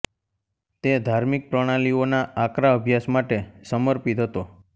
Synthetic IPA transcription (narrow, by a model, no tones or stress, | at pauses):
t̪ed̪ʱaɾmik̚pɾəɽ̃alionaakɾaəbʱjasmaʈesəməɾpit̪ɦət̪o